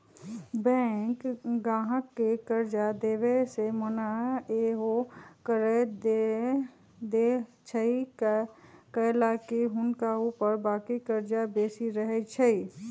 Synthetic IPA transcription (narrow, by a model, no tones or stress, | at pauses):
bɛ̃ːkɡãːɦəkːekəɾd͡ʒad̪eːʋesemənaeːɦokəɾed̪ | d̪et͡ʃʰəi | kəlaːkiɦʊnkauːpəɾbaːkikəɾd͡ʒabeːsiɾəɦet͡ʃʰəiː